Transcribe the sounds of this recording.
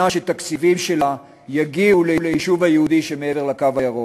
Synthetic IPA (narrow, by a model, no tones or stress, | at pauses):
aʃet̪akt͡sivimʃela | jaɡiulelejiʃuvhajehud̪iʃe̞meeve̞ʁlakavajeʁo